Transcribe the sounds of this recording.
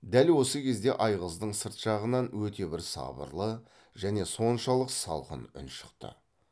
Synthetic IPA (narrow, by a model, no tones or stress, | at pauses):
d̪ælwo̞səkʲʰe̞zd̪e̞̰ʔɑjʁəzd̪əɴsəɾt̪ʃɑʁənɑnwɵt̪e̞bɪɾsɑ̰bə̰ɾlˠə | ʒæne̞so̞nʃɑlˠəqsɑ̰lˠqə̰nʊ̰nʃə̥qt̪ə̰